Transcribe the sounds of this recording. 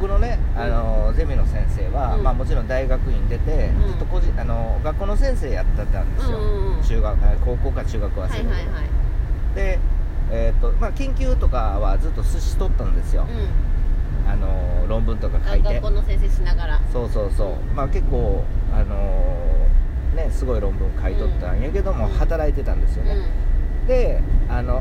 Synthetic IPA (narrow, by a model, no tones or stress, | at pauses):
bokɯ̟no̞ne̞ano̞ze̞mʲino̞sẽ̞ɰ̃se̞ːβamaːmo̞t͡ɕiɾõnd̪aiɡakɯ̟ĩnd̪e̞t̪e̞zɨt̪ːo̞ko̞ʑĩʔano̞ɡakːo̞ːno̞sẽɰ̃se̞ːjat̪ːat̪ːãnd̪e̞sɨjot͡ɕɨːɡako̞ːko̞ːkat͡ɕɨːɡakɯ̟βasekt̪e | d̪̥e̞et̪ːomakẽ̞ŋkʲɨːt̪o̞kaβad͡zɨt̪ːo̞sɨɕi̥t̪o̞t̪ːand̪e̞sɨjo̞̰ | ano̞ɾõ̞mbɯ̟̃nt̪o̞kakait̪eẽsenaɡaɾaso̞ːso̞ːso̞ːmake̞kːo̞ːano̞ | ne̞sɨɡo̞iɾõ̞mbɯ̟̃ŋkait̪o̞t̪ːãjɯ̟ke̞d̪o̞mo̞hat̪aɾait̪e̞t̪ãnd̪e̞sɨjo̞ned̪e̞ano̞